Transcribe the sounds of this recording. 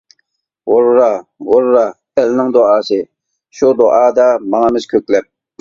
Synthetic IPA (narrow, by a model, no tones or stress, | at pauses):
woɾɾɑwoɾɾɑ | ɛlnɪŋd̪oɑːsɨ | ʃud̪oʔɑːd̪ɑmɑŋɑmɪz̥kʲʰøkʲlɛp̚